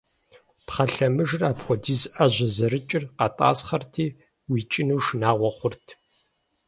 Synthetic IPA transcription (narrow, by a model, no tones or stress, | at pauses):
pχɐɬɐmɨʒraːpxʷɔdiːzʔɐʑɐzɐɾɨt͡ʃʼɪrqɑtʼa̰ːsχɐrtʰiː | wiːt͡ʃʼɪnuːʂnaːʁʷɔχʷʊrtʰ